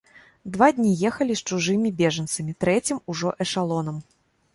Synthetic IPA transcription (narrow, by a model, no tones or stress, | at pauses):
d̪vad̪ʲnʲijɛxɐlʲist͡ʂuʐɨmʲibʲɛʐɐnt̪sɐmʲit̪ɾɛt͡sʲimuʐɔʔɛʂalˠɔnɐm